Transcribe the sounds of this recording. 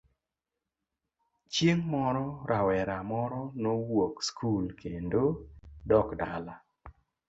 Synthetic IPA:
t͡ʃjeŋmɔɾɔɾawɛɾamɔɾɔnowokskʰulkʰendodɔkdala

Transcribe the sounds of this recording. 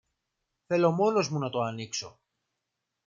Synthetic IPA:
θe̞lo̞mo̞no̞zmunɐt̪o̞ɐnikso̞

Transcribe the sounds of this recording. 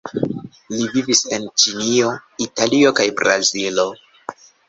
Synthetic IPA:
livivise̞nt͡ʃinio̞italio̞kajbɾazilo̞

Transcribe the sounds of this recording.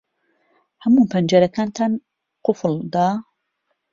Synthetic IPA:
hɐmuːpʰɐnd͡ʒɐɾɐkʰaːnt̪ʰan | qʊfɨld̪a

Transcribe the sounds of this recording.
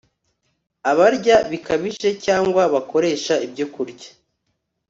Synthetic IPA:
aβaɾɟaβikʰaβiʒe̞caːŋɡwaβako̞ɾe̞ːʃaibɟokuɾɟḁ

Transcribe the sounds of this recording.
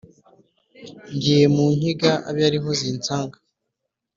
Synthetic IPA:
ɲɟijemuːɲ̥hiɡaa̰βjaɾiɦo̞ziːnt͡saːŋɡa

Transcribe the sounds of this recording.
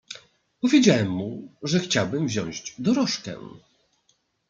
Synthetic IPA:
pɔvʲjed͡ʑawɛmːuʐɛxt͡ɕawbɘmvʑɔ̰̃w̃ʑd͡ʑd̪ɔɾɔʂkɛ̰̃

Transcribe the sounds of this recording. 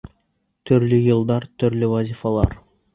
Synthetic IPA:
t̪ʰyɾlyjɨlˠd̪ɑɾt̪ʰʏɾlywazʲifɑlˠɑɾ

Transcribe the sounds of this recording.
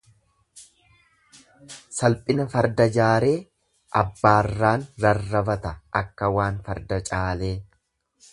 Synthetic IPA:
sɐlpʼɪnɐfɐɾd̪ɐd͡ʒaːɾe̞ː | ʔɐbːaːrːaːnɾɐrːɐbɐt̪ɐʔɐkːɐwaːnfɐɾd̪ɐt͡ʃʼaːle̞ː

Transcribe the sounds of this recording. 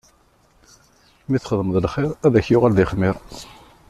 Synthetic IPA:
miθχəðˤəməðˤlχɪɾˤæðæçjʊʁælðɪχmɪɾˤ

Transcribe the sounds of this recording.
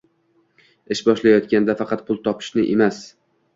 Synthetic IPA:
ɪʃbɒʃlajɒt̪kʲand̪afɑqʰɑt̪̚pʰʊlˠt̪ʰɒpʰɪ̥ʃnɪʔemas

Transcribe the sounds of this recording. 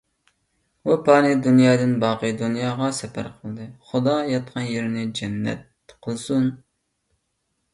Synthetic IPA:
upʰɑːnɨd̪unjɑːd̪ɨnbɑːqɨjd̪unjɑːʁɑsɛpʰæ̰ɾqʰəlˠɨd̪ɨχʊd̪ɑjɑt̪̚qʰɑnjeɾɪnɪd͡ʒɛnːɛ̰t̪̚ | qʰəlˠsun

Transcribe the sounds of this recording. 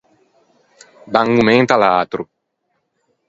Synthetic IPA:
b̪ãŋɡumẽŋt̪alaːt̪ɾu

